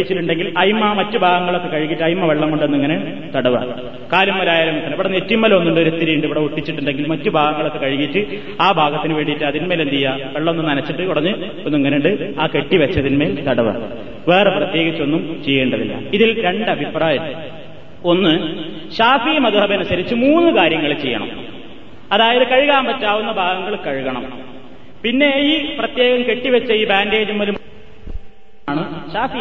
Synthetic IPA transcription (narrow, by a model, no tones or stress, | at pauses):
it͡ɕːiʈːuɳɖe̞ŋɡilɐjmːɐmɐtːubʱaːɡɐŋːɐɭokːekɐɻikːiʈːɨɐjmːɐʋeɭːɐŋkoɳɖonːuiŋːɐne | t̪ɐɽɐʋa̰ | kaːlumːɐlaːjaːlɐmut̪ːɐnɐpɐɽɐnetːimːɐlɐo̞nːuɳɖo̞ɾet̪ːiɾijiɳɖɨiʋiɽeuʈːit͡ɕːiʈːuɳɖe̞ŋɡilmɐtːubʱaːɡɐŋːɐɭokːekɐɻikːiʈːɨ | aːbʱaːɡɐt̪ːinɨʋe̞ːɳɖiʈːɨɐðinme̞ːlent̪ijːɐʋeɭːɐmonːunɐnɐt͡ɕːiʈːɨkuɽɐɲːɨ | onːuiŋːɐneuɳɖɨaːke̞ʈːiʋet͡ɕːɐðinme̞ːlt̪ɐɽɐʋa̰ | ʋe̞ːreprɐt̪je̞ːɣit͡ɕːo̞nːumt͡ɕejːeːɳɖɐðḭlːɐ̰iðilɾe̞ɳɖɐbʱipraːjɐm | o̞nːɨ | ɕaːfijmɐðuɦɐbɐnɐsɐɾit͡ɕːɨmuːnːɨkaːɾjɐŋːɐɭet͡ɕejːɐ̰ɳɐ̰m | ɐðaːjɐðɨkɐɻuɣaːmpɐtːaːʋunːɐbʱaːɡɐŋːɐɭkɐɻuɣɐɳɐm | pinːe̞iːprɐt̪je̞ːɣɐmke̞ʈːiʋɐt͡ɕːɐiːbaːnde̞ːd͡ʑumːɐlum | ɳɨɕaːfi